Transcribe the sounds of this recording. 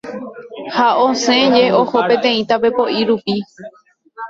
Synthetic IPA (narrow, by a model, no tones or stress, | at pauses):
haõsẽ̞d͡ʒe̞oho̞pẽ̞t̪ẽ̞ĩt̪ape̞po̞ʔiɾupi